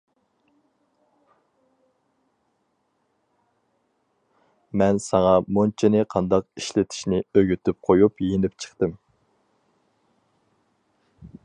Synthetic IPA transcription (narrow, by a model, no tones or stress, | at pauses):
mɛnsɑŋɑmont͡ʃʰinɪqʰɑnd̪ɑq̚iʃlɪt̪ʰi̥ʃnɪøɡʲyt̪ʰyp̚qʰojupjenɪpt͡ʃʰə̥χt̪ɨm